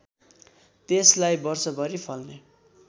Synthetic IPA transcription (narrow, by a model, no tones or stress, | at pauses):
t̪eslajbʌrsʌbʌɾipʰʌlne